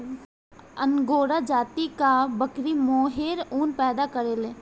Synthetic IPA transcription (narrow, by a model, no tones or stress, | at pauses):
ənɡoːɾad͡ʒaːt̪ikabəkɾimoːɦeːɾuːnpɛːd̪akəɾeːleː